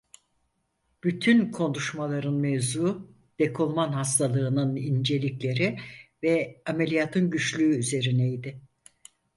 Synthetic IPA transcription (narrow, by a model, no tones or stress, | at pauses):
b̥yt̪ʰynkʰo̞nuʃmalˠaɾɯnmevzu | d̪̥e̞kʰolˠmanhast̪ʰalˠɯːnɯnind͡ʒe̞lʲiclʲe̞ɾivɛame̞lʲijat̪ʰɯnɟyt͡ʃlʲyːyze̞ɾinɛjd̪ɪ